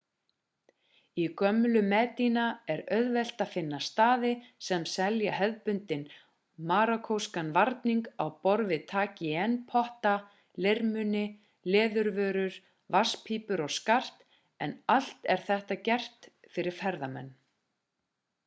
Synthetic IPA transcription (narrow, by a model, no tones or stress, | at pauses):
ikœmːʏlʏmɛːt̪inaɛɾœɥðvɛl̥t̪aðfɪnːast̪aːðɪsɛmsɛljaɦɛðpʏnt̪ɪn | maːɾakʰowskanvaɾt̪niŋkawpɔɾvɪt̪ʰaːcɪɛnːpʰɔht̪a | lɪɾmʏnɪ | lɛːðʏɾvœːɾʏɾ̥ | vaspʰiːpʏɾɔɣskar̥t̪ | ɛnal̥t̪ɛɾ̥θɛht̪acɛr̥t̪ | fɪɾɪɾ̥fɛɾðamɛ̰nː